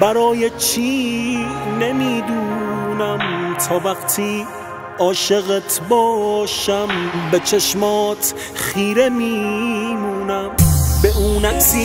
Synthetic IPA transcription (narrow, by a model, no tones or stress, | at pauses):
bæɾɒːjet͡ʃʰi | nemiːd̪uːnæmt̪ʰɒːvæqt̪ʰiː | ɒːʃe̞ɣet̪ʰbɒːʃæmbet͡ʃʰeʃmɒːt̪ʰ | χiːɾe̞miːmuːnæmbeʔuːnæksi